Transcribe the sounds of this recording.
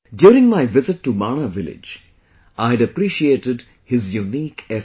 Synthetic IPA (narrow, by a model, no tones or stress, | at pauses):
ɖjuːɾɪ̃ŋmaɪʋɪzɪʈːumaːɳ̃aʋɪlɪ̰d͡ʒ | ʔaɪɖəpɾiːʃieːʈɪɖ | hɪzjuniːkɛ